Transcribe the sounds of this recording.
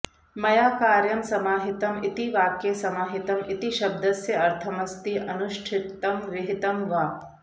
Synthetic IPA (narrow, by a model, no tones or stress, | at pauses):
mɐjaːkaːɾjɐmsɐmaːɦɪt̪ɐmɪt̪iʋaːkjesɐmaːɦɪt̪ɐmɪt̪iʃɐb̚d̪ɐsjɐɐɾt̪ʰɐmɐst̪iʔɐnʊʃʈʰɪkt̪ːɐmʋɪɦɪt̪ɐmʋaː